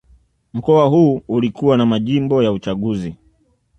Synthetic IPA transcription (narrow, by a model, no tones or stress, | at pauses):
m̩kɔaɦuːulikuwanamaʄimbɔjaut͡ʃaɠuzi